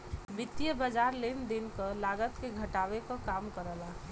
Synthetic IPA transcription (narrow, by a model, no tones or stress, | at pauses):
bɪt̪ːijəbəd͡ʒaɾlend̪enkəlaɡət̪keɡʱəʈabekɔkamkəɾəla